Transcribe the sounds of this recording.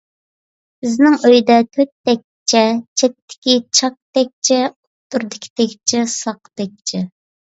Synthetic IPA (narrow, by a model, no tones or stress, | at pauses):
bɪznɪŋøjd̪ɛt̪ʰøt̪̚ːɛk̚ʲt͡ʃʰɛt͡ʃʰɛt̪ʰːɪ̥kʲit͡ʃʰɑk̚t̪ɛk̚ʲt͡ʃʰɛut̪ːuɾd̪ɨkʲʰi̥t̪ʰɛkʲt͡ʃʰɛsɑqt̪ɛk̚ʲt͡ʃʰɛ